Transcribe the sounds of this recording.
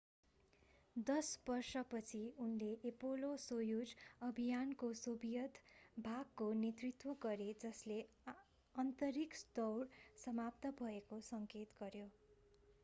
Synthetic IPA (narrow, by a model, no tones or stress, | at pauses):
d̪ʌsbʌrsʌpʌt͡sʰiunleʔepolosojud͡zʌbʱijankosobijʌt̪bʱaɡ̚konet̪rit̪woɡʌɾed͡zʌsle | ʌnt̪ʌɾikst̪ʌwrsʌmap̚t̪ʌbʱʌekosʌŋket̪ɡʌɾjo